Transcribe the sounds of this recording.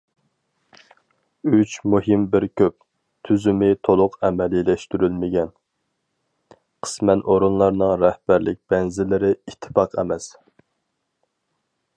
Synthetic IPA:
yt͡ʃmuɦɪmbɪɾkʲʰøp̚ | t̪ʰyzymɪt̪ʰolˠʊqɛmɛlilɛʃt̪yɾylmɪɡʲɛn | qʰə̥smɛnʔoɾunlˠɑɾnɨŋɾɛhb̥æɾlɪ̰k̚ʲb̥ɛnzɪlɪɾɪit̪ʰːɪ̥fɑqʰɛ̰mɛs

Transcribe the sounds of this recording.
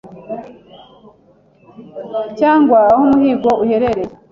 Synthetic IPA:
caːŋɡwahumuhiːɡouhe̞ɾeɾe

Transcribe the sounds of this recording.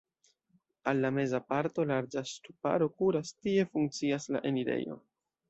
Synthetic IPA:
alːame̞zapaɾto̞laɾd͡ʒastupa̰ɾo̞kuɾastie̞fuŋk̚t͡siasla̰ʔe̞niɾe̞̰jo̞̰

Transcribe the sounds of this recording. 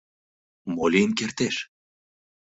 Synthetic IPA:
molʲinkert̪eʃ

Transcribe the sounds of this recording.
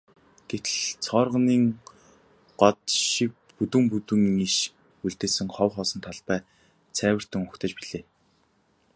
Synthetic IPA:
ɡ̥et̪ɘ̆ɮt͡sʰɔːrʁəniːŋ | ɢ̥ɔt̪ʃik̚put̪wɘ̆mput̪ɘ̆ŋiʃ | uɮt̪eːsɘ̆ŋχɔwχɔːsɞ̆nt̪ʰaɮpæː | t͡sʰæːwɘ̆r̥t̪ɘ̆ŋʊkt̪ə̆t͡ɕpiɮeː

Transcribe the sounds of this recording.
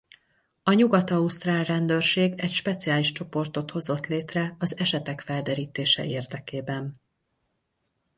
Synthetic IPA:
ɒɲuɡɒt̪ɒust̪raːlrɛnd̪ørʃeːɡɛcʃpɛt̪sijaːliʃt͡ʃo̞po̞rt̪o̞t̪ho̞zo̞t̪leːt̪rɛɒzɛʃɛt̪ɛkfɛld̪ɛɾiːt̪eːʃɛ̰ʔeːrd̪ɛkeːbɛn

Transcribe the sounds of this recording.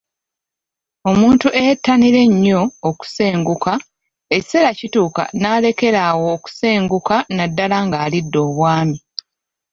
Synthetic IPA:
o̞muːntuʔejtːaniɾe̞ɲːo̞ːku̥se̞ːŋɡuka | e̞ci̥se̞ɾacituːka̰naːle̞ke̞ɾaːwo̞ːku̥se̞ːŋɡukanadːalaŋɡaːlidːo̞ːβwaːmi

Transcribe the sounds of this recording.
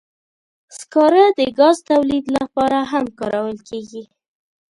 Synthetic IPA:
skɑɾad̪əɡɑzt̪awlid̪lapɑɾaɦamkɑɾawəlkeɡi

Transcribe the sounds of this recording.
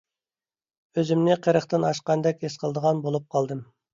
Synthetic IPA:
øzɪmnɪqʰəɾəχt̪ɨnɑʃqɑnd̪ɛkʲesqʰəlˠd̪əʁɑnbolˠup̚qʰɑlˠd̪ɨm

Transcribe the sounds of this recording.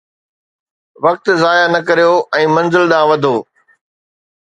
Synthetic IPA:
ʋɐk̚t̪zaːjanɐkɐɾijoɛ̃ːmɐ̃nzɪlɗ̪ãːʋɐd̪ʱoː

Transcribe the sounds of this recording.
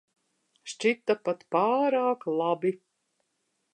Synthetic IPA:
ʃt͡ʃit̪ːapat̪paːɾaːklˠabi

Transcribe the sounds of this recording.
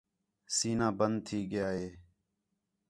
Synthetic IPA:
siːnãːbənd̪̚t̪ʰiːɡəjaːɦeː

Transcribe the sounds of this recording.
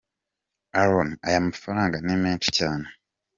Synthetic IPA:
aɾoma̰jamafaɾaːŋɡanemeːti̥caːne

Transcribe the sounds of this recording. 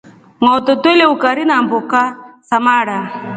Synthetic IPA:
ŋaɔt̪ɔt̪eleukaɾinambukasamaɽa

